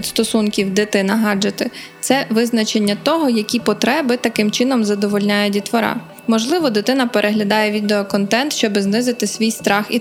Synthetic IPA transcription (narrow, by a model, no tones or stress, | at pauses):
tʲst̪ɔsunkʲiwd̪ɪt̪ɪnɐɦɑd͡ʒɐt̪ɪt̪sɛʋɪznɐt͡ʃe̞nʲːɐt̪ɔɦɔjɐkʲipɔt̪ɾɛbɪt̪ɐkɪmt͡ʃɪnɔmzɐd̪ɔʋɔlʲnʲajʊtʲit̪ʋɔɾɑ̰ | mɔʒlˠɪʋɔd̪ɪt̪ɪnɐpeɾʔeɦlʲɐd̪ɑjɛʋʲid̪eɔkɔnt̪ɛnt̪ʃt͡ʃɔbɪznɪzɪt̪ɪsʲʋʲijst̪ɾɑxḭ